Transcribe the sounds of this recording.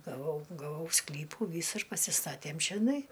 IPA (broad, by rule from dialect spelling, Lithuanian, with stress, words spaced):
ɡɐˈʋɐʊ ɡɐˈʋɐʊ ˈsklʲiːpuː ˈʋʲiːsʊr pɐsʲɪˈstɑːtʲeːm t͡ʃʲoːˈnɐɪ